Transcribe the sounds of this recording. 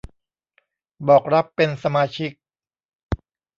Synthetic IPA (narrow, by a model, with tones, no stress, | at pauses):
bɔː˨˩k̚ɾa˦˥pːe˧nsa˧maː˧t͡ɕʰi˦˥k̚